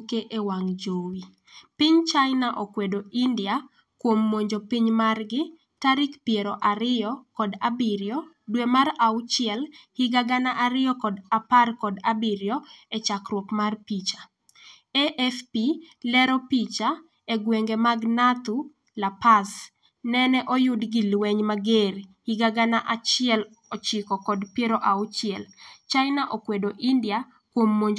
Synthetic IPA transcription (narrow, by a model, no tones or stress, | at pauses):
keʔewaŋd͡ʒowi | pɪɲt͡ʃajnaʔokwedoʔindɪa | kwomːoɲd͡ʒopɪɲmarɡɪ | taɾɪkpjeɾɔʔaɾɪjɔkɔdabiɾjɔ | dwemaraʊt͡ʃɪɛlhɪɡaɡanaʔaɾɪjɔkɔdaparkɔdabiɾjɔɛt͡ʃakrwɔkmarpit͡ʃa | eʔɛfpi | lɛɾɔpit͡ʃa | eɡweŋɡemaɡnat̪u | lapas | nɛnɛʔɔjʊdɡɪlwɛɲmaɡerhiɡaɡanaʔat͡ʃɪɛl | ɔt͡ʃɪkɔkɔdpjeɾɔʔaʊt͡ʃɪɛlt͡ʃaɪnaʔokwedoʔindia | kwomːoɲd͡ʒ